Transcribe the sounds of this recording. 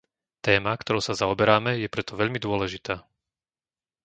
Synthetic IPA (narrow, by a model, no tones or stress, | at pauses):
t̪ɛːmakt̪ɔɾɔʊsazaɔbɛɾaːmɛjɛpɾɛt̪ɔʋɛʎmid̪ʊɔlɛʒit̪aː